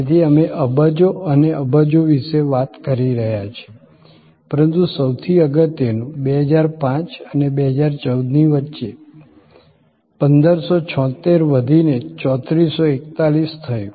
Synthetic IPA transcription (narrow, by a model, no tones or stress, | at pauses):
et̪ʰiəmeʔəbəd͡ʒoəneəbəd͡ʒoʋiʃeʋat̪kəɾiɾəɦjat͡ʃʰe̥ | pəɾənt̪usəwt̪ʰiəɡət̪jənũbeɦəd͡ʒaɾpãt͡ʃənebeɦəd͡ʒaɾt͡ʃəwd̪niʋətːʃe | pənd̪əɾsot͡ʃʰɔ̃t̪eɾʋəd̪ʱinet͡ʃɔt̪ɾisːoekt̪alist̪ʰəjũ